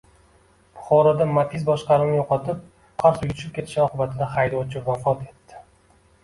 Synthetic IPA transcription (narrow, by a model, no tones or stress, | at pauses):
bʊχɒɾad̪amat̪izbɒʃqɑɾɪnɪjoqɒt̪ʰɪp̚ | qʰɑɾsʊjʊt͡ʃʰɪp̚kʲʰe̞t̪ʰɪ̥ʃɒqʰɨbat̪ʰɪd̪aχajd̪ɒt͡ʃʰɪvafɒt̪e̞t̪ːɪ̥